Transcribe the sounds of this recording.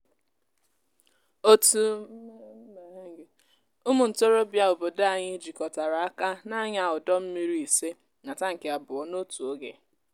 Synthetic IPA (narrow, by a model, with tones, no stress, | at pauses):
o˦tu˦ | me˨˦ŋ˨ɡe˨ | u˦mu˨n̩˨to˦ɾo˦bja˦o˨bo˨da˨ɲɪ˦d͡ʒi˨kɔ˨ta˨ɾa˨a˦ka˦na˦ɲa˨ʊ˨dɔ˦m̩˦mi˦ɾi˦˨i˨se˦ | na˨ta˦ŋ̩˨ke˨a˨bʊ˨ɔ˦no˦tu˨o˦ɡḛ˨